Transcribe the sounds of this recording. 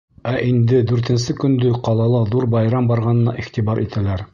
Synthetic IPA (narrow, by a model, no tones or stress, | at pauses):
æʔind̪ɘd̪ʉɾt̪ɘ̆nsɘkɵ̆nd̪ɵqɑlˠɑlˠɤðuɾbɑjɾɑmbɑɾʁɑnɤ̆nɑ̰ʔiχt̪ibɑɾʔit̪ʰælæɾ